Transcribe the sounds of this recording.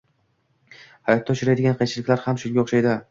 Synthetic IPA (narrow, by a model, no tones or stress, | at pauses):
hajɒt̪ʰːaʊt͡ʃʰʊɾajd̪ɪɡʲanqʰɑjt͡ʃʰɪlɪkʲlaɾhamʃʊŋɡʲaoʃajd̪ɪ